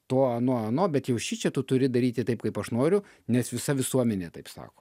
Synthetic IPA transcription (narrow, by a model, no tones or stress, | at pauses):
t̪oːɐnoːɐnoːbʲɛt̪jɛʊʃʲit͡ʃʲɛt̪ʊt̪ʊɾʲɪd̪ɐɾʲiːt̪ʲɪt̪ɐɪp̚kɐɪpɐʃnoːɾʲʊ | nʲɛsʋʲɪsɐʋʲɪsuɔmʲɛnʲeːt̪ɐɪpsɑ̰ːkoː